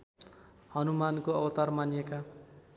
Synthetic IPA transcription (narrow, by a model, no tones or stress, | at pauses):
hʌnumankoʌbʌt̪armanijeka